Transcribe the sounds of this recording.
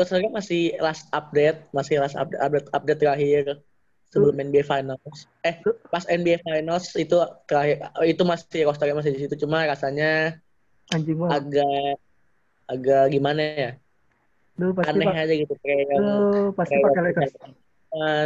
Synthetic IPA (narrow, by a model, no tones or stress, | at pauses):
tɔsaɡamasɪhlasap̚dɛt̪̚masɪhlasa̰p̚dɛap̚dɛt̪ap̚dɛt̪ːəɾaɦɪr | səbəlʊmɛnbiɛfajnals | ɛhpasɛnbiɛfajnalsit̪ut̪əɾaɦɪrit̪umasɪkɔs̬t̪aɡamas̬ɪhdisit̪ut͡ʃumarasaɲa | aɲd͡ʒiŋaaɡa | ɡaɡimanaja | dopaanɛad͡ʒaɡit̪ut̪əɾaapakaalaaa | a